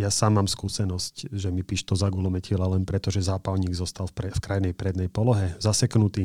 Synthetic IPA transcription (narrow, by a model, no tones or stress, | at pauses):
jasaːmːaːmskuːsɛnɔscʒɛmipiːʃt̪ɔzaɡulɔmɛcɪɛlalɛnpɾɛt̪ɔʒɛzaːpaʊɲiːɡzɔst̪alfɾɛfkɾajnɛjpɾɛd̪nɛjpɔlɔɦɛzasɛknut̪iː